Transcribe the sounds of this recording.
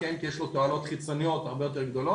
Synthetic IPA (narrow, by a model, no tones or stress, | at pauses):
aimkijeɛʃlot̪oalo̞t̪χit͡so̞nijo̞t̪aʁbejo̞t̪̬e̞ʁɡd̪o̞lo